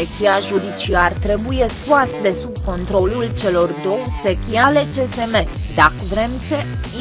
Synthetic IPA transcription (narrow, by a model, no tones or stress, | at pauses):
ekʲiaʒud̪it͡ʃiart̪ɾe̞buje̞skuasd̪e̞subko̞nt̪ɾo̞lult͡ʃe̞lo̞rd̪o̞wse̞kʲiale̞d͡ʒe̞se̞me̞ | d̪akvɾe̞mse | i